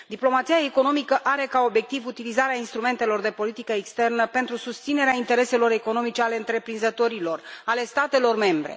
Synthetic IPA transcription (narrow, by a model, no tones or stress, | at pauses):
d̪iplo̞mat̪sijaeko̞no̞mikəʔaɾe̞kao̞bje̞k̚t̪ivut̪ilizaɾeainst̪ɾume̞nt̪e̞lo̞rd̪e̞po̞lit̪ikəekst̪e̞rnəpe̞nt̪ɾusust̪sine̞ɾeaint̪e̞ɾe̞se̞lo̞ɾe̞ko̞no̞mit͡ʃe̞aleɨnt̪ɾe̞pɾinzət̪o̞ɾilo̞rale̞st̪at̪e̞lo̞rme̞mbɾe̞̰